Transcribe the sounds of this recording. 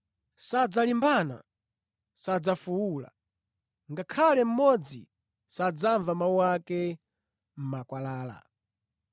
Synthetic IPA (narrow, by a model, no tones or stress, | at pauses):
sad͡zalimbana̰ | sad͡zafuwula̰ | ŋɡakʰalɛm̩mɔd͡zḭ | sad͡zaɱvamauwakɛ | m̩makwalaːla̰